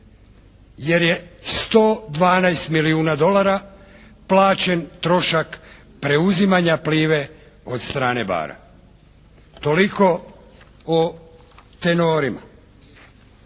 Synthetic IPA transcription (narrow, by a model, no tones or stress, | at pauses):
je̞ɾje̞st̪o̞ːd̪ʋaːnajst̪miliuːnad̪o̞lˠaɾa | plˠaːt͡ɕe̞nt̪ɾo̞ʃak | pɾe̞uzimaɲapliːʋe | o̞d̪st̪ɾaːne̞ba̰ːɾa̰ | t̪o̞liko̞ | o | t̪enoːɾima̰